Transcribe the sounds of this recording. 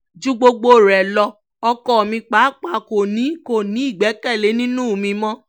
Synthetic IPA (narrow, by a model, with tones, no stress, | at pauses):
d͡ʒu˦ɡ͡bo˧ɡ͡bo˧˨ɾɛ˨lɔ˧ | ɔ˧kɔ˧ɔ˨mĩ˧k͡pa˨˦k͡pa˦˨ko˨nĩ˨˦ko˦˨nĩ˨˦i˦˨ɡ͡bɛ˨˦kɛ˦˨le˨˦nĩ˦nũ˦˨mĩ˧mɔ̃˦